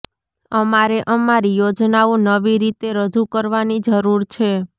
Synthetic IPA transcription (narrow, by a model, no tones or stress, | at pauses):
əmaɾeʔəmaɾijod͡ʒnaonəʋiɾit̪eɾəd͡ʒukəɾʋanid͡ʒəɾuɾt͡ʃʰe